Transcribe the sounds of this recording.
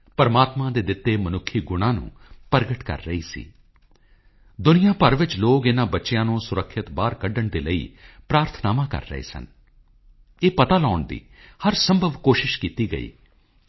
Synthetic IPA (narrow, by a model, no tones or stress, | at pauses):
pəɾmaːt̪mãːd̪eːd̪ɪt̪ːeːmənʊkʰːiːɡʊɽ̃ãːnṵ̃ː | pəɾɡəʈkə̰ɾːəḭːsḭː | d̪ʊnɪjãːpəɾʋɪt͡ʃloːkɪnãːbətːʃɪjãːnũːsʊɾəkʰːɪt̪baːɾkəɖəɳd̪eːləḭːpɾaːɾt̪ʰnaːmãːkə̰ɾːə̰ɦḛːsə̰n | eːpət̪aːlɔːɳd̪ḭːhəɾsəmbʱəʋkoːʃɪʃkiːt̪iːɡə̰ḭː